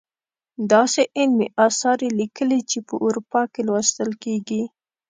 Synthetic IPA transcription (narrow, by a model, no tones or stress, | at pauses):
d̪ɑseʔɪlmḭʔɑsɑɾelikəlit͡ʃepəʔuɾupɑkelwɑst̪əlkeɡi